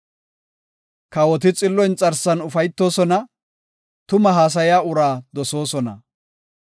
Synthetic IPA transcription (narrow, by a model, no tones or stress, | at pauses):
kɐwɔt̪̬ɪt͡sʼɪlːɔjnt͡sʼɐɾsɐnʊfɐjt̪ːo̞ːsɔnɐ | t̪ʊmɐɦaːs̬ɐjaːʊɾaːd̪ɔso̞ːsɔnɐ̰